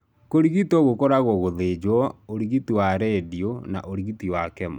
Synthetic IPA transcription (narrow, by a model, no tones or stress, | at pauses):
koɾiɣitɔɣokɔɾaɣɔɣoðed͡ʒwɔoɾiɣitiwaɾɛdiona̰ʔoɾiɣitiwakɛma